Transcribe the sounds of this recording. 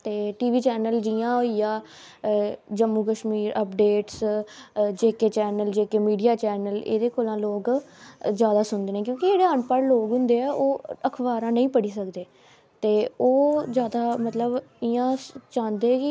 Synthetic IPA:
t̪eːʈiːʋiːt͡ʃɛːnəld͡ʒɪãːɦoijãː | d͡ʒəmːũːkəʃmiːɾəpɖeːʈs | d͡ʒeːkeːt͡ʃɛːnəld͡ʒeːkeːmiːɖijaːt͡ʃɛːnəlḛːd̪eːkoːlãːloːɡzjaːd̪aːsʊnd̪eːneːkjõːkɪd͡ʒeːɽeːaːɳpaːɽloːɡɦʊ̃nd̪eːɛːʔoːəkʰʋaːɾãːnəĩːpəɽiːsəkd̪eː | t̪eːoːzjaːd̪aːmət̪ləbɪãːt͡ʃãːnd̪eːɛːkɪ

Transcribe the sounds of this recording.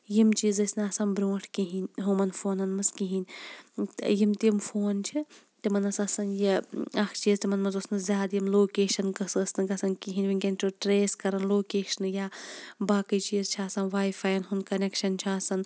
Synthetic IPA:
jimt͡ʃiːzɐsnɐːsɐmbɾʲõːʈʰkiɦinʲɦumɐnfʰoːnɐnmɐskiɦinʲt̪jimt̪imfʰoːnt͡ʃʰi | t̪imɐnɐsɐsɐnjiɐkʰt͡ʃiːzt̪imɐnmɐzosnɨzʲjaːd̪jimloːkeːʃɐnkɨsɐsnɐkɐsɐnkiɦinʲʋinkʲenʲʈuʈɾeːskɐɾɐnloːkeːʃɐnjaːbaːkɐjt͡ʃiːzt͡ʃʰiaːsɐnʋaːjfʰaːjnɦunkɐnekʃɐnt͡ʃʰiaːsɐn

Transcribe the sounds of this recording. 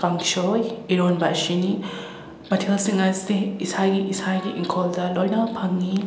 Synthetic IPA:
paŋʃojiɾonbaʃini | bɐtʰelsiŋazideisaɡiisaɡiʔiŋkʰoldɐlojnapʰaŋːi

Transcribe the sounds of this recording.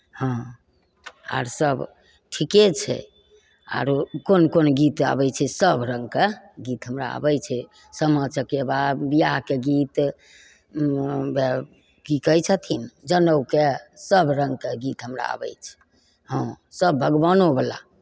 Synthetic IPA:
hə̃ | a̰ɾsəb | ʈʰiket͡ʃʰɛ̰ | a̰ɾkonkonɡit̪a̰bɛt͡ʃʰɛsəbɾə̃ŋɡ̚ke | ɡit̪ɦəmɾa̰a̰bɛjt͡ʃʰɛ | səmət͡ʃəkebabijaɦkeɡit̪ | be | kikəjt͡ʃʰət̪ʰind͡ʒənəwkesəbɾəŋɡ̚keɡit̪ɦəmɾa̰a̰bɛ̰jt͡ʃʰɛ̥ | ɦə̃ | səbʱəɡbanobəla̰

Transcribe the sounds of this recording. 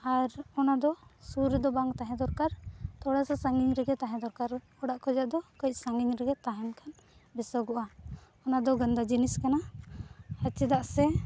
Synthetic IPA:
aɾɔnad̪ɔsuɾɛd̪ɔbaŋt̪aɦɛ̃d̪ɔɾkaɾt̪ɔɽasasaŋɡiŋɾɛɡɛt̪aɦɛ̃d̪ɔɾkaɾ | ɔɽaʔkʰɔd͡ʒaʔd̪ɔkɔc̚saŋɡiɲɾɛɡɛt̪aɦɛnkʰan | bɛsɔɡɔʔa | ɔnad̪ɔɡənd̪ad͡ʒiniskana | hət͡ʃid̪aʔsɛ

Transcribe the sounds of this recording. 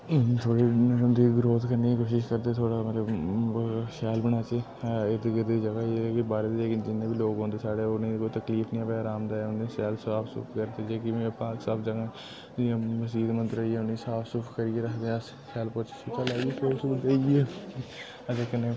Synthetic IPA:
t̪ʰoːɽiːnəəmd̪iːɡɾoːt̪kəɾniːiːkoːʃɪʃkəɾd̪eːt̪ʰoːɽaːmət̪ləb | ʃɛːlbəñaːt͡ʃeː | ed̪ɡd̪iːd͡ʒəɡaːeːkibaːɾeːd̪ed͡ʒeːkd͡ʒɪnːẽːbiloːɡɦõːnd̪eːsaːɽeːoːnĩːkoːit̪əkliːfʰnĩːãːpaːɾaːmd̪aːɛːʊnẽːsɛːlsaːpʰsʊ̰pʰkəɾd̪eːd͡ʒeːkɪmːpaːksaːbd͡ʒəɡãː | ãməsiːd̪mənt̪ɾəiɛːʊnĩːsaːpʰsʊpʰkəɾiːeːɾəkʰd̪eːs | kɛːlpʊɾt͡ʃʰːsit̪ʰalaːɡisʰeːsʊkd̪eieː | ət̪eːkənːeː

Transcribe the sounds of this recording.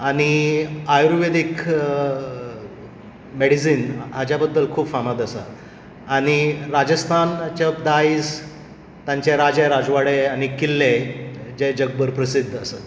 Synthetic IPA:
aɽ̃iajɾʋed̪ik | meɽisiːnɦad͡ʑjabəd̪ːəlkʰuːbfamad̪asa̰ː | ɽ̃iɾad͡ʑəst̪ʰant͡ɕəpd̪ais | t̪jãɲt͡ɕeɾad͡ʑeɾad͡zʋaɽeaɽ̃ikilːẽd͡ʑed͡ʑəɡ̚bəɾpɾəsid̪ʱːəsə

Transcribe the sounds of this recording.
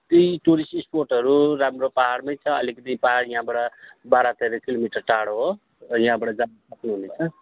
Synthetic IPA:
t̪ejʈuɾisʈisporʈʌɾuɾamropaɦaɽmʌjt͡sʰʌʌ̰likʌt̪ijpaɦaɽjʌ̃ɦãbʌɽʌbaɾat̪ʌɾʌkilomiʈʌrʈaɽoɦo | jɦãbʌɽʌd͡zansʌknuɦunet͡sʰʌ

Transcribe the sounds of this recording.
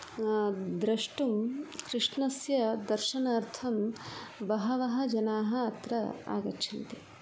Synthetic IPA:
d̪ɾɐʂʈumkɾɪʂnɐsjɐd̪ɐɾʃɐnaːɾt̪ʰɐmbɐɦɐʋɐɦɐ̆d͡ʒɐnaːɦɐɐt̪ɾɐ̰a̰ːɡɐtːʃʰɐnt̪i

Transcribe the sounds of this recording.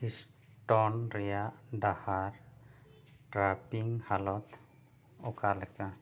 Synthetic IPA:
his | ʈɔnɾɛjadahaɾ | ʈɾapiŋhalɔt̪ | ɔkʰalaka

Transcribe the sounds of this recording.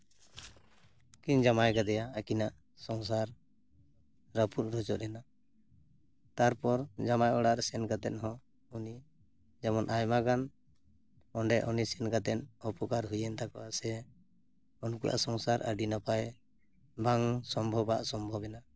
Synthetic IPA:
kiɲd͡ʒamajɡad̪ɛjaːkinaʔ | sɔŋs̬aɾ | ɾaput̪̚ɾɔd͡ʒɔʔɾɛna | t̪aɾpɔɾd͡ʒamajɔɽaɾsɛnɡat̪ɛ̰t̪̚ɦɔ̃ | uni | d͡ʒamɔnʔajmaɡan | ɔɳɖɛʔɔnisɛnɡat̪ɛnɔpɔkaɾɦujɛnt̪akɔasɛ | ɔnkuʔa̰ʔsɔŋsaɾʔə̰ɖinapaj | baŋsɔmbʱɔbaʔsɔmbʱɔbɛna

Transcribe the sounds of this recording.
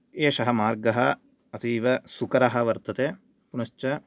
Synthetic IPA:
eːʃɐɦɐmaːɾɡɐɦɐ | ɐt̪ʰiːʋɐsukɐɾɐɦɐ̆ʋɐɾt̪ɐt̪eː | punɐʃt͡ʃɐ

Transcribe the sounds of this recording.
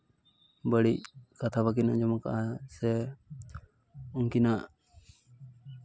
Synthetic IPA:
bəɽic̚kat̪ʰabak̬ina̰ʔd͡ʒɔmaka̰ʔasɛ | uŋkinaʔ

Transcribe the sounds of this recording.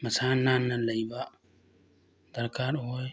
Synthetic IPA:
mɐsaːnːaːnːɐlɐiba | d̪̥ɐɾkaːɾɦoːj

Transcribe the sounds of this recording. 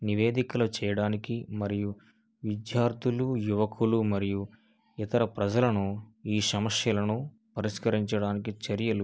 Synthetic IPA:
niʋeːd̪ikɐlɐt͡ʃɛːjɐɽaːnikimɐɾiju | ʋid̪jaːɾt̪ʰilujuʋɐkʰulumɐɾiju | it̪ɐɾɐpɾɐd͡ʒɐlɐnuiːsɐmɐsjɐlɐnu | pɐɾiskɐɾiɲt͡ʃɐɽaːnikit͡ʃɐɾjɐlu

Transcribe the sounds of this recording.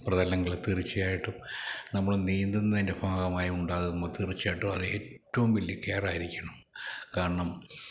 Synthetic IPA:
prɐðɐlɐŋɡiɭt̪irit͡ɕːijaːjiʈːumnɐmːɐɭniːnd̪unːɐðinde̞kʰaːɣɐmaːjuɳɖaːɣumboːt̪irit͡ɕːaːjiʈːuɐðetːɐʋumʋilːjɐkeːraːjiɾikʲːɐɳɐmkaːɾɐɳɐm

